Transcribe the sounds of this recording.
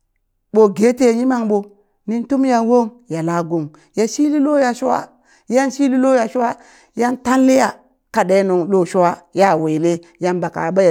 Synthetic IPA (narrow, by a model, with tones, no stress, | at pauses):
ɓo˨ɡe˦te˦˨ɲi˦ma˦ŋɓo˨ | ni˦ntu˦mja˨wo˦ŋja˨la˦ɡo˨ŋ | ja˨ʃi˦li˦lo˦ja˨ʃu˦wa̰˦ | ja˦nʃi˦li˦lo˦ja˨ʃu˦wa˦ | ja˦nta˦n˦li˦ja˨ | ka˨ɗe˦nu˨ŋɗo˦ʃu˦wa˦ja˦˨we˨le˦ | ja˦nba˨ka̰˨ba˦j